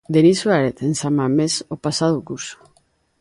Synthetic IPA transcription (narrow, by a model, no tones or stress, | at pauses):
d̪enisuaɾet̪ensamamesopasaðokuso̥